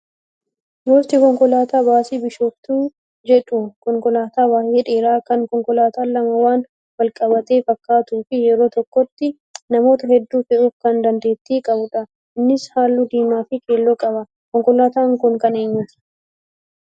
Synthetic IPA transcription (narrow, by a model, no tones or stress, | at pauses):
joːst̪ɪkɔŋkɔlaːt̪aːbaːsiːbɪʃoːft̪uː | d͡ʒɛᶑʊkɔŋkɔlaːt̪aːwaːheːᶑe̞ːɾaːkɐŋkɔŋkɔlaːt̪aːlːɐmɐwaːn | wɐlkʼɐbɐt̪e̞ːfɐkːaːt̪uːfɪjɛɾoːt̪ɔkːɔt̪ːɪ | nɐmo̞ːt̪ɐhɛd̪ːuːfɛʔuːfkɐnd̪ɐnd̪e̞ːt̪ːiːkʼɐbʊᶑɐ | ɪnːɪshaːlːud̪iːmaːfɪkʰʼe̞ːlːɔkʼɐbɐ | kɔŋkɔlaːt̪aːŋkʊŋkɐneːɲːʊt̪ɪ̥